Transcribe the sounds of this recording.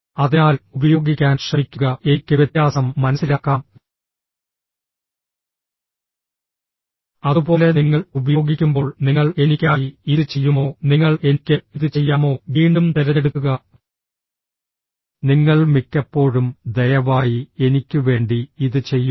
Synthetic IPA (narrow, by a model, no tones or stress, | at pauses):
ɐðinaːlubɐjo̞ːɡikʲːaːnɕrɐmikʲːuɣɐeikʲːɨʋjet̪jaːsɐmːɐnɐsːilaːkːaːm | ɐðubo̞ːle̞niŋːɐɭubɐjo̞ːɡikʲːumbo̞ːɭniŋːɐɭe̞nikʲːaːjiiðɨt͡ɕe̞jːumo̞ːniŋːɐɭe̞nikʲːɨiðɨt͡ɕe̞jːaːmo̞ːʋiːɳɖumt̪eɾɐeɽukːuɣɐ | niŋːɐɭmikʲːɐpːo̞ːɻumd̪ɐjɐʋaːjie̞nikʲːɨʋe̞ːɳɖiːðɨt͡ɕe̞jːum